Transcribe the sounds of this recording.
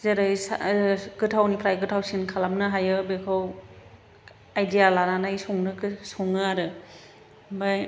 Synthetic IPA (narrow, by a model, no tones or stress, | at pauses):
zeɾɯjsa̰ɡɯtʰawnipʰɾajɡɯtʰawsinkʰalamnɯɦajɯbekʰɯw | ajdijalananajsɔŋnɯksɔŋɯaɾɯ | baj